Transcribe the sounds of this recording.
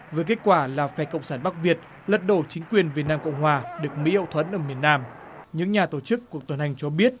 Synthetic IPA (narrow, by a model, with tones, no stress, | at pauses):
vəː˨˦jk̬e˦˥t̚kwaː˧˩laː˨˩fɛ˧˩kə̰˧˨wŋ͡msaː˧˩nɓa˦˥k̚vi˨˩ət̚ | lə˨˩t̚ɗo˧˩t͡ɕï˨˦ŋ̟kwi˨˩ənvi˨˩ət̚naː˧mkə̰˧˨wŋ͡mɦwaː˨˩ɗɨ˨˩ək̚mḭ˧˥hə̰˧˨wt̪ʰwə˨˦nʔəː˧˩mi˨˩ənːaː˧m | ɲɨ̰˧˥ŋɲaː˨˩t̪o˧˩t͡ɕɨ˦˥kːu˨˩ək̚t̪ə˨˩nha˨˩jŋ̟t͡ɕɔ˧ɓi˦˥ət̚